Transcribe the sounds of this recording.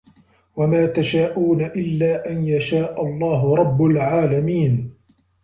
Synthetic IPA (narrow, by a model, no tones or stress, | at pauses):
wamaːt̪aʃaːʔuːnaʔɪlːaːʔanjaʃaːʔɑlˤːɑːɦʊɾˤɑbːalʕaːlamiːn